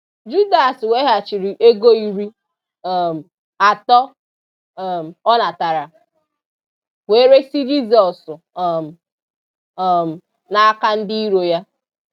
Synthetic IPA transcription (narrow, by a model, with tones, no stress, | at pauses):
d͡ʒu˦da˨swe˦ɦa˨t͡ʃi˨ɾi˨ʔe˦ɡo˦i˨ɾi˦˨ | m̩˨ | a˨tɔ˦˨ | m̩˨ɔ˦na˨ta˨ɾa˨ | we˦ɾe˦si˦d͡ʒi˦zɔ˨sʊ˨ | m̩˨ | m̩˨ | na˨a˦ka˦n̩˦di˦i˦ɾo˨ja˦